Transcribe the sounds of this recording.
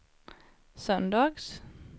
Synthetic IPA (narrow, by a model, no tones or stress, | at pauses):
sœnd̪ɑːɡs